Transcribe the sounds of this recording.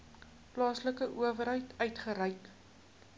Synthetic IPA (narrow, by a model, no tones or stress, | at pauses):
plɑːsləkəʔuəvəɾɦəjtʰœɥtχəɾəjk